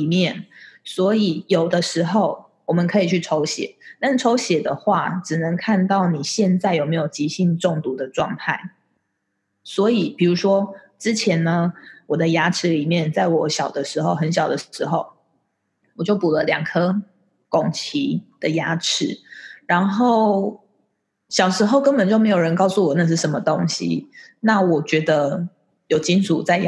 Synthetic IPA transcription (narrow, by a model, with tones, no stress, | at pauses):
li˨˩mjɛ˥˨nswɔ˧˥i˨˩jo˨˩ʊd̪ə˦ʂɻ̩˧˥xo˥˩ʊ | wɔ˨˩mə˨nkʰɤ˧˥i˨˩t͡ɕʰy˥˩ʈ͡ʂʰo˧˥ʊɕjɛ̰˨˩˦t̪a˥nʈ͡ʂʰo˧˥ʊɕjɛ˨˩d̪ə˨xwa˥˩ʈ͡ʂɻ̩˨˩nə˧˦ŋkʰa˥˧nt̪ɑ˥˩ʊni˨˩ɕjɛ˥˧nt͡sa˥˩ɪjo˨˩ʊme˧˥ɪjo˨˩ʊt͡ɕi˧˥ɕi˥˧nʈ͡ʂɔ˥˩ŋt̪u˧˥d̪ə˨ʈ͡ʂwɑ˥˧ŋt̪ʰa˥˩ɪ | swɔ˧˥i˨˩pi˨˩ɻu˧˥ʂwɔ˥ʈ͡ʂɻ̩˥t͡ɕʰjɛ˧˥nnə˧wɔ˨˩d̪ə˦ja˥ʈ͡ʂʰɻ̩˧˥li˨˩mjɛ˥˨nt͡sa˥˩ɪwɔ˨˩ɕjɑ˨˩ʊd̪ə˦ʂɻ̩˧˥xo˥˧ʊɦə˧˦nɕ̬jɑ˨˩ʊd̪ə˦ɻ̩˧˥˦xo˥˩ʊ | wɔ˨˩t͡ɕjo˥˩ʊpu˨˩lə˦ljɑ˨˩ŋkʰɤ˥ | kɔ˨˩ŋt͡ɕʰi˧˥d̪̥ə˨ja˥ʈ͡ʂʰɻ̩˧˥ɻa˧˥nxo˥˩ʊ | ɕjɑ˨˩ʊʂɻ̩˧˥xo˥˧ʊkə˥˦npə˨nt͡ɕjo˥˩me˧˥jo˨˩ɻə˧˦nkɑ˥˧ʊsu˥˩wɔ˨˩na˧ʂɻ̩˥˩ʂə˧˦mə˧t̪o˦˥ŋɕḭ˦ | na˥˩wɔ˨˩t͡ɕɥɛ˧˥d̪ə˧ | jo˨˩ʊt͡ɕi˦˥nʈ͡ʂʰu˨t͡sa˥˧ɪ